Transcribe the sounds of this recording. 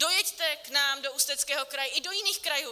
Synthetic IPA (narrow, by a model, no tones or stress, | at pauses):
do̞jɛct̪ɛknaːmdoust̪ɛt͡skɛːɦo̞kɾajɛʔɪdo̞jɪniːxkɾajuː